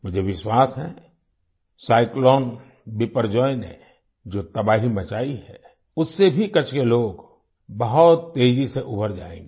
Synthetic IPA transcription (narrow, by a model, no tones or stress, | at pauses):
mʊd͡ʒʱeʋɪʃwaːsɦɛ̰̃ | saːɪklɔːn | bɪpəɾd͡ʒɔːjnɦḛ̃ | d͡ʒoːt̪ɐbaːɦimɐt͡ʃaːiɦɛ̰ | ʊsːebʱikɐt͡ʃkeloːɡ | bɐɦʊt̪ːeːd͡ʒiseʔʊbəɾd͡ʒaːḛ̃ːŋɡeː